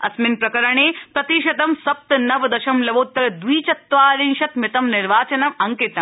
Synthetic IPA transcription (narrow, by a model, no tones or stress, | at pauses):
ɐ̰smɪnpɾɐkɐɾɐɳeːpɾɐt̪iʃɐt̪ɐmsɐp̚t̪ɐnɐʋd̪ɐʃɐmlɐʋoːt̪ːɐɾd̪ʋiːt͡ʃɐt̪ːʋaːɾinʃɐt̪mɪt̪ɐmnɪɾʋaːt͡ʃɐnɐmɐŋkɪt̪ɐm